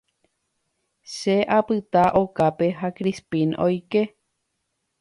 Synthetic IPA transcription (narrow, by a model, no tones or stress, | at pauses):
ʃeʔapɨt̪aʔo̞kape̞ɦakɾispĩnojke̞